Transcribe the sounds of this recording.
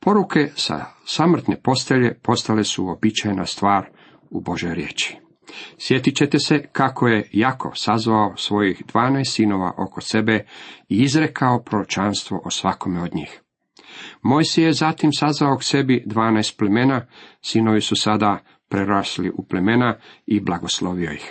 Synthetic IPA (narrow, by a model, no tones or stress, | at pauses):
po̞ɾukʰe̞sa̰samr̩t̪ne̞po̞st̪eʎe̞po̞st̪ale̞suobit͡ʃajnast̪ʋaːɾ | ubo̞ʒjo̞jɾjḛːt͡ʃi̥ | sje̞t̪it͡ɕe̞t̪ese̞kakʰoje̞jakʰo̞̰sazʋaosʋo̞jixd̪ʋaːnajst̪sino̞ʋa̰ʔo̞kose̞beiizɾekʰaopɾoɾot͡ʃanst̪ʋo̞̰ʔosʋako̞meod̪ɲḭːx | mo̞jsijezat̪imsazʋaokse̞bid̪ʋaːnajst̪̚pleme̞nasino̞ʋisusad̪a | pɾeɾaːslḭʔuplemenaiblˠaɡo̞slo̞ʋio̞jix